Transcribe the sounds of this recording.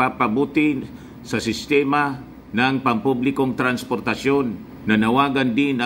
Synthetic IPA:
apɐbuːt̪ɪ | sɐsɪst̪ɛma | nɐŋpɐmpublɪko̞ŋt̪ɾɐnspoɾt̪ɐʃjo̞nː | ɐnɐwaːɡɐnd̪ɪnɐ

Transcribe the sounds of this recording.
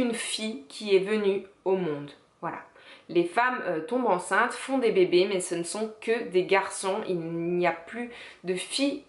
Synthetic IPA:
ynfikʲʰiɛvəny | omɔ̃d̪ | vwala̰ | lefamøt̪ɔ̃bɑ̃sɛ̃t̪fɔ̃d̪ebebemɛsənəsɔ̃kəd̪eɡaʁsɔ̃ḭlnnijaply | d̪əfij

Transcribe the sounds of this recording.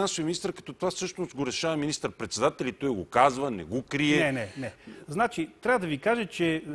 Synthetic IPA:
ansovʲiminist̪əɾkɐ̥t̪ɔt̪ovafsɤʃnost̪ɡoɾɛʃavɐminist̪əɾpɾɛt̪sɛd̪at̪ɛlʲit̪ɔjɡokazvɐnɛ̰ɡokɾiɛɛnɛnɛznat͡ʃit̪ɾʲavəd̪ɐvikaʒɛt͡ʃɛ

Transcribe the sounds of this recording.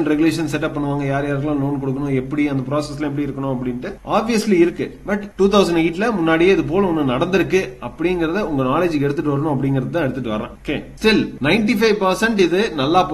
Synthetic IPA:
ɳɖɾɛɡʊleːʂɐnsɛʈːɐpːɐɳːɯʋaːŋɡɐjaːɾjaːɾɣɐlãːloːnkɔɽɯk̬ːɐnʊ̃ɛpːɐɽiɐnd̪ɐpɪɾoːsɛsːɪlɐɛp̬ːɐɽiɪɾɯkːɐɳʊ̃ɐpːɐɽɪnʈːɯʔaːbʋɪjɐsliɪɾɯkːɯbɐʈʈːuːt̪ɐʊsɐɳɖiɪʈːlɐmʊnːaːɽijeːɪðɯp̬oːlʊnːɯnɐɽɐnd̪ɪɾɯkːɯɐpːɐɽɪŋɡɪɾɐðɯʊŋɡɐnaːleːd͡ʒkɛɽɯt̪ːɯʈːɯʋɐɾɐɳʊ̃ːɐp̬ːɐɽɪŋɡɪɾɐðɯt̪ãːɛɽɯt̪ːɯʈːɯʋɐɾã̰ːokḛːsʈɪlnɐɪɳʈifɐɪʋpɐɾsɛɳʈɪðɯnɐlːaːp

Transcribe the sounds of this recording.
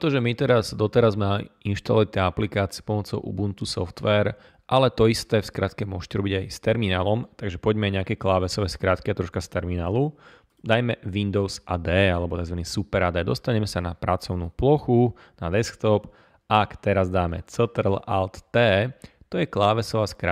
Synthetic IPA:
t̪ɔʒɛmit̪ɛɾazd̪ɔt̪ɛɾazmainʃt̪a̰lɔit̪ɛaplikaːt͡siɪɛpɔmɔt͡sɔʊʔṵbunt̪usɔ̰ft̪ʋɛːɾ | ʔalɛt̪ɔist̪ɛːfskɾʔat̪kɛmʊɔʒʃcɛɾɔbiɟajst̪ɛɾminaːlɔmt̪aɡʒɛpɔɟmɛajɲɛakɛklaːʋɛsɔʋɛːskɾaːt̪kiat̪ɾɔʃkast̪ɛɾminaːlu | d̪ajmɛʋind̪ɔʊzʔad̪ɛːalɛbɔt̪aɡzʋaniːsupɛɾad̪ɛd̪ɔst̪aɲɛmɛsanapɾat͡sɔʊnuːplɔxu | nad̪ɛskt̪ɔp | ʔakt̪ɛɾazd̪aːmɛ̰t͡sɛt̪ɛɾlalt̪ːɛː | t̪ɔjɛklaːʋɛsɔʋaːskɾa

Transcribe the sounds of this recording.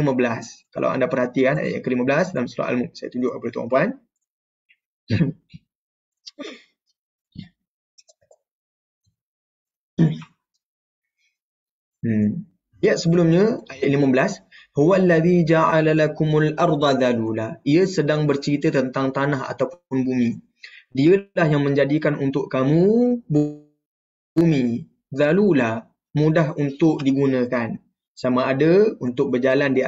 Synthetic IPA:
imə̃bəlaskalʔa̰wa̰ndapərhat̪ikana̰ja̰ʔjã̰ŋkəliməbəlasdalamsuɾa̰ʔa̰lmuʔ̚saja̰t̪uɲd͡ʒʊʔapadət̪ua̰mpuan | ajaʔ̪səbəlumɲə̃ajaʔlimə̃bəlashuwalːaðid͡ʒaʕalalakʊmalʔɑɾd̪ˤaðalulaʔiəsədaŋbərt͡ʃəɾit̪ət̪ənt̪aŋt̪anaɦa̰t̪awpʊnbumĩ | diəlahjaŋmə̃ɲd͡ʒadikanunt̪ʊʔkamũb | umĩ | ðalula | mũdaɦunt̪ʊk̚diɡunə̃kan | samãadəunt̪ʊk̚bərd͡ʒalandi

